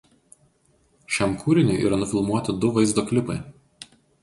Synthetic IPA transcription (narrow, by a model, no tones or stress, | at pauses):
ʃʲæmkʰuːɾʲɪnʲʊɪʔḭːɾɐnʊfʲɪlˠmuɔt̪ʲɪd̪ʊʋɐɪzd̪oːkʲlʲɪpɐɪ